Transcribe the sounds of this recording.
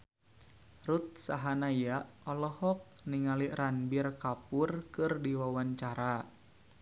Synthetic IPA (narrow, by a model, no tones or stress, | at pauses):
rut̪̚saɦanajaɔlɔhɔk̚niŋaliranbirkapurkɨrdiwawant͡ʃaɾa